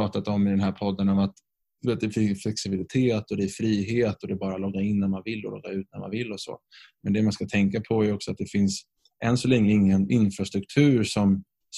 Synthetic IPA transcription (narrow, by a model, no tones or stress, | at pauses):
ɑːt̪at̪ɔmːɪd̪ɛnɦæːɾpʰɔd̪ːənɔmat̪ | d̪̥ɵveːt̪̚d̪ɛfɪflɛksɪbɪlɪt̪ʰeːt̪ɔd̪ɛæɾfɾiːɦeːt̪ɔd̪ɛbɑːɾalɔɡːaɪnːæɾmanvɪlːɔ̰lɔ̰ɡːaʉ̟ːt̪̚næɾma̰nvɪlːɔsɔ̰mɛnd̪ɛmanskat̪ʰɛŋkapʰɔæɾɔksɔat̪̚d̪ɛfɪns | ʔɛnsɔlɛŋləɪŋːənɪnfɾast̪ɾɵk̚t̪ʰʉ̟ːɾʂɔm | s